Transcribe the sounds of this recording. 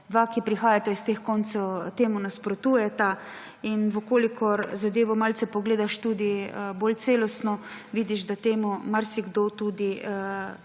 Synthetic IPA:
d̪ʋakipɾixaːjat̪aist̪exkɔnt̪sɔwt̪eːmunaspɾɔt̪uːjɛt̪a | inʋəkoːlikʰɔɾzad̪eːʋɔmalsɛpɔɡleːd̪aʃt̪uːd̪ibolt̪seːlɔst̪nɔʋiːd̪iʒd̪at̪eːmumaɾsiɡd̪ot̪uːd̪i

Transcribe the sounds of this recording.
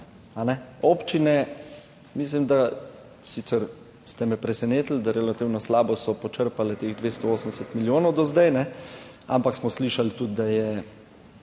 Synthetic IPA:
anɛoːpt͡ʃinɛ | mis̬limd̪a | siːt̪sɛɾ | st̪ɛmɛpɾɛsɛneːt̪əl̩d̪aɾɛlat̪iːwnɔslaːbɔsɔpɔt͡ʃəɾpalɛt̪eɣd̪ʋeːst̪ɔoːsən̩d̪ɛsɛt̪miljoːnɔwd̪ɔzd̪ajnɛ | a̰mpaksmɔsliːʃalt̪ud̪̚d̪ajɛ

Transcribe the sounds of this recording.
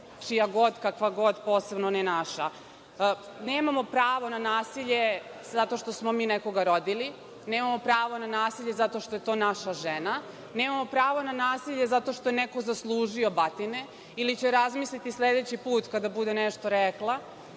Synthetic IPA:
t͡ʃijaɡo̞d̪kakʋaɡo̞d̪po̞ːse̞bnonɛnaʃa | neːmamo̞pɾaːʋo̞nanaːsiʎe̞zat̪o̞ʃt̪osmo̞miːneko̞ɡaɾo̞d̪ili | neːmamopɾaːʋo̞nanaːsiʎe̞zat̪o̞ʃt̪ojet̪o̞ːnaʃaʒena | ne̞ːmamo̞pɾaːʋo̞nanaːsiʎe̞zat̪o̞ʃt̪o̞jeneko̞zaslˠuːʒio̞bat̪ine | ilit͡ɕeɾazmislit̪islʲed̪et͡ɕipuːt̪kad̪abud̪eneʃt̪o̞ɾeklˠa

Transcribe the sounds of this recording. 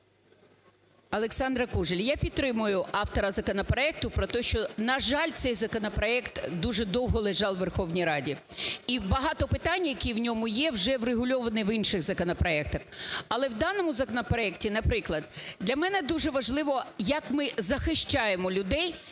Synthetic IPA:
ɐlˠeksɑnd̪ɾɐkuʒelʲjapʲidt̪ːɾɪmʊjʊʔɑft̪ɔɾɐzɐkɔnɐpɾɔɛk̚t̪ʊpɾɔt̪ɛʃt͡ʃɔnɐʒɑlʲt̪sɛjzɐkɔnɐpɾɔɛkt̪d̪uʒɛd̪ɔwɦɔlˠeʒɑlˠʋerxɔwnʲijɾɑdʲi | ibɐɦɑt̪ɔpɪt̪ɑnʲːjɐkʲiwnʲɔmʊjɛwʒɛwreɦʊlʲɔʋɐnɪʋinʃɪɣzɐkɔnɐpɾɔɛk̚t̪ɐxɐlˠɛwd̪ɑnɔmʊzɐkɔnɐpɾɔɛktʲinɐpɾɪklˠɐd̪̚d̪lʲɐmɛnɛd̪uʒɛʋɐʒlˠɪʋɔjɐkmɪzɐxɪʃt͡ʃɑjemɔlʲʊd̪ɛj

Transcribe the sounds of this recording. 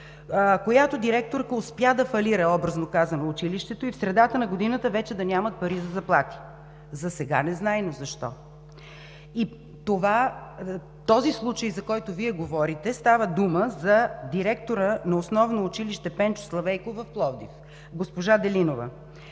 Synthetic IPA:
kojat̪od̪iɾɛk̚t̪oɾkəʊspjad̪ɐfɐliɾɐɔbɾəznokazɐnoːt͡ʃiliʃt̪ɛt̪oifsɾɛd̪at̪ənɐɡod̪inət̪əvɛt͡ʃɛd̪ɐnʲamɐt̪̚pɐɾizɐzɐplˠat̪i̥ | zɐsɛɡa̰nɛznajnozɐʃt̪ɔ̰ | i | t̪ova | t̪ɔzislˠut͡ʃəjzɐkɔjt̪oviɛɡovɔɾit̪ɛst̪avəd̪uməzɐd̪iɾɛkt̪oɾənɐosnɔvnoːt͡ʃiliʃt̪ɛpɛnt͡ʃo̥slˠɐvɛjkovɐfplˠɔvd̪ḭf | ɡospoʒad̪ɛlinovə̰

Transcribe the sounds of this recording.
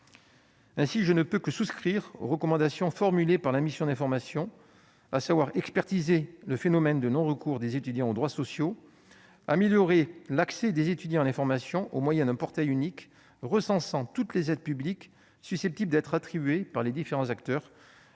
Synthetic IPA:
ɛ̃siʒənəpøkəsuskχiʁo̰ʁəkɔmɑ̃d̪asjɔ̃fɔʁmylepaʁlamisjɔ̃d̪ɛ̃fɔʁmasjɔ̃ | asavwaʁɛkspɛʁt̪izeləfenɔmɛnd̪ənɔ̃ʁəkuʁd̪ezet̪yd̪jɑ̃od̪ʁwasɔsjo | ameljɔʁelaksɛd̪ezet̪yd̪jɑ̃alɛ̃fɔʁmasjɔ̃ʔomwajɛ̃d̪ɛ̃pɔʁt̪ajynik | ʁəsɑ̃sɑ̃t̪ut̪lezɛd̪̚pyblik | sysɛp̚t̪ibləd̪ɛt̪χat̪χibɥepaʁled̪ifeʁɑ̃zakt̪œʁ

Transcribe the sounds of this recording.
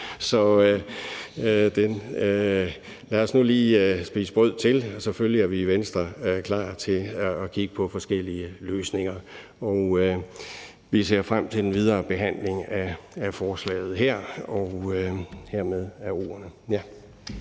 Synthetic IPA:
sɒ̽ | d̥enø | læːɒsnuliːsb̥ḭːsəb̥ʁœð̰ˠt͡sʰe̝lɒsɒ̽føljiæɐʋiʋensd̥ʁɐkʰlɑ̰̈ːt͡sʰe̝ːkʰiɡ̥əpʰɒ̽fɒ̽sɡ̥el̰iəløːsne̝ŋɐɒʊø | ʋise̝̰ːɐ̰fʁam̰t͡sʰe̝ldenʋið̞ˠɐːb̥e̝ɦæn̰le̝ŋæːfɒːslɛ̰ːɪð̞̩ˠɦeɐ̰ɒʊ | heɐ̰með̞ˠæo̝̰ːɐnəjæ

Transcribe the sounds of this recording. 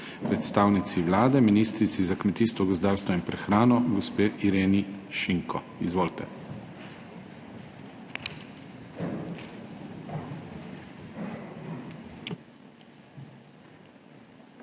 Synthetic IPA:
pɾɛt̪st̪aːwnit̪siʋlaːd̪ɛminiːst̪ɾit̪sizakmɛt̪iːst̪ʋɔɡɔzd̪aːɾst̪ʋɔinpɾɛxɾaːnɔɡɔspeːʔiɾeːniʃiŋkʰɔ̰ | izʋoːlt̪ɛ

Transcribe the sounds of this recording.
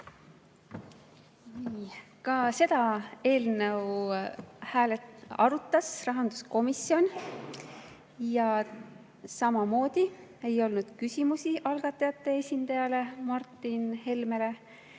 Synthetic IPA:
niːkɑse̞d̪̥ɑe̞ːlnew | hæːlet̪ɑ̰ɾut̪ˑːɑsrɑɦɑnd̪̥usko̞misjo̞n | jɑ | sɑmɑmo̞ːd̪̥ʲie̞jo̞lnud̪̥kysʲimusiʔɑlɡ̥ɑt̪ːˑɑjɑt̪ːˑe̞esʲind̪̥ɑjɑle̞mɑrt̪ːˑinhe̞lme̞le̞

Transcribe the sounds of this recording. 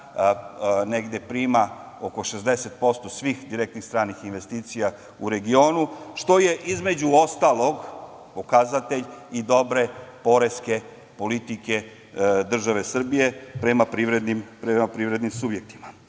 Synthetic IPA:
neɡd̪e̞pɾiːma | oko̞ʃezd̪eset̪̚po̞st̪o̞sʋiːxd̪iɾek̚t̪nixst̪ɾaːnixinʋe̞st̪iːt̪sija | uɾe̞ɡio̞ːnuʃt̪o̞je̞ʔizmed͡ʑuo̞st̪alo̞ɡ | po̞kazat̪e̞ʎid̪o̞bɾe̞po̞ɾe̞ske̞ | po̞lit̪ike̞ | d̪r̩ʒaʋe̞sr̩bije̞pɾe̞mapɾiʋɾed̪nimpɾemapɾiːʋɾed̪nimsubje̞k̚t̪ima

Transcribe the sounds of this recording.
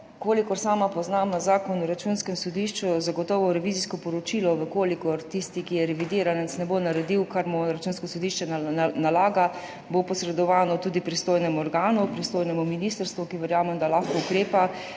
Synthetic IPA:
koːlikɔɾsaːmapɔznamazaːkɔnɔɾat͡ʃunskɛmsɔd̪iːʃt͡ʃuzaɡɔt̪ɔːʋɔɾɛʋiːziskɔpɔɾɔt͡ʃiːlɔʋəkoːlikɔɾt̪ist̪ikijɛɾɛʋid̪iːɾanɛsnɛbonaɾɛd̪iwkaɾmuɾat͡ʃuːnskɔsɔd̪iːʃt͡ʃɛnalaːɡa | bopɔsɾɛd̪ɔʋaːnɔt̪uːd̪ipɾist̪oːjnɛmuɔɾɡaːnupɾist̪oːjnɛmuminiːst̪əɾst̪ʋukiʋɛɾjaːmɛmd̪alaxkɔukɾeːpa

